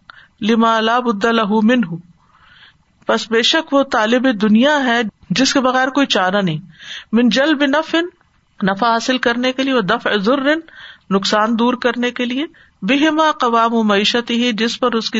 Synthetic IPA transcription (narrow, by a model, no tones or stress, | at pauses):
lɪmaːlaːbʊd̪ːalɐɦumɪnɦʊ | pɐsbeːʃɐkʋot̪aːlɪbed̪ʊnijaɦɛ | d͡ʒɪskebɐɣɛːɾkoːit͡ʃaːɾanɐɦĩmɪnd͡ʒɐlbɪnɐfɪn | nɐfaɦaːsɪlkɐɾnekelieʋɐd̪ɐfzʊrːɪnːʊqsaːnd̪uːɾkɐɾnekelie | bɪɦɪmaːqɐʋaːmʊmɐiːʃət̪ɪɦid͡ʒɪspɐɾʊski